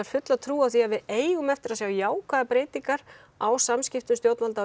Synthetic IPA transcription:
aɾ̥fʏt̪lat̪ʰɾuːawθiaðvɪðeːjɣʏmɛft̪ɪɾaðsjaːwjaːwkʰvaðapɾeːjt̪iŋkaɾ̥ | awsamscɪft̪ʏmst̪jowt̪nalt̪aː

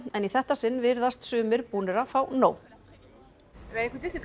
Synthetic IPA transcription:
ɛniθɛht̪asɪnːvɪɾðast̪sʏːmɪɾpuːnɪɾafawnoːw | ɾaehkɪt̪ɪsɪ

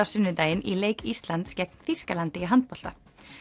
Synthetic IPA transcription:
awsʏnːʏt̪aːjɪnʔileːjkist̪lant̪scɛk̚n̥θiskalant̪ɪiɦant̪̚pɔl̥t̪a

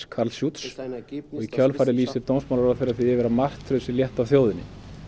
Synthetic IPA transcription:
kʰaɾlsjut̪sɔɣicʰœlfaːɾɪliːst̪ɪɾt̪ownsmawlaɾaθeːɾaɾθiɪvɛːɾamar̥t̪ʰɾʏsɪljɛht̪avθjowðɪnːɪ̰

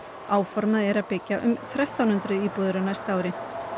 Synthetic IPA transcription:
aːwfɔɾmaðɛɾaðpɪcːaʔʏ̰mθɾaht̪awnʏnt̪ɾʏðiːpuːðʏɾanajst̪aːwɾɪ

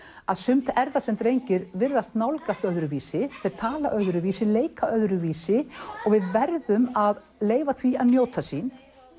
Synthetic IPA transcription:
aðsʏmt̪ʰɛɾðasɛmt̪ɾejɲcɪɾvɪɾðast̪nawlkast̪œðɾʏviːsɪθɪɾt̪ʰaːla̰ʔœðɾʏviːsɪleːjkʰaʔœðɾʏviːsɪɔɣvɪðvɛɾðʏmað | leːjvaθviaðnjoːwt̪ʰasiːn

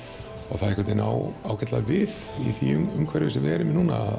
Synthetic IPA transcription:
ɔɣθaðɪkʰɛt̪ɪna̰wawcʰat̪lavɪð | iθiʏmʏmkʰvɛɾɪvɪsɪðvɛːɾɪmɪnuːna̰

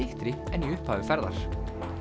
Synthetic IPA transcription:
ɪht̪ɾɪɛniʏhpaːʏfɛɾða̰ɾ̥

